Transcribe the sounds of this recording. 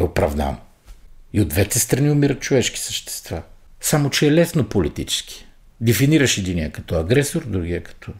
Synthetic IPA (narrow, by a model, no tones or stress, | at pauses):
ɛopɾɐ̰vd̪a̰n | iod̪vɛt̪ɛst̪ɾɐniʊmiɾət̪̚t͡ʃovɛʃki̥səʃt̪ɛ̥st̪vasamot͡ʃɛɛlɛsnopolit̪it͡ʃɛ̥sk̟ʰi̥ | d̪ɛfiniɾəʃɛd̪iniəkɐt̪ɔɐɡɾɛsoɾd̪ɾuɡiəkɐ̥t̪ʰɔ